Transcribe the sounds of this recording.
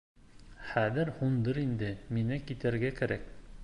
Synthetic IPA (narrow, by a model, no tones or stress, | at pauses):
χæðɘɾhund̪ɤɾind̪ɘminɘkit̪æɾɡækæɾæk